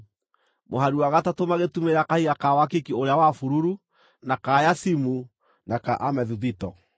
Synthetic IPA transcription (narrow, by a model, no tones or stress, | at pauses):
moɦaɾuwaɣatatomaɣetumeɾakahiɣakawakikioɾeawafuɾuɾu | nakajasimu | nakaʔamɛðuðitɔ